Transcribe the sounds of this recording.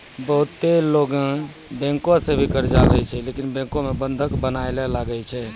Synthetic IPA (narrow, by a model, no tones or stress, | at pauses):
bəɦʊt̪ːeloːɡã | bɛ̃ːŋkõsẽbʱikəɾd͡ʒaɾəɦit͡ʃʰɛleːkinbɛ̃ːŋkõmebə̃nd̪ʱəkbənaːelɛlaɡəjt͡ʃʰɛ